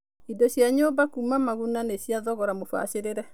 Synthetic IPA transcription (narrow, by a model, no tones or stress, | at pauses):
idɔɕjaɲoːbakumamaɣunaneɕjaðɔɣɔɾamofa̰ɕeɾeɾɛ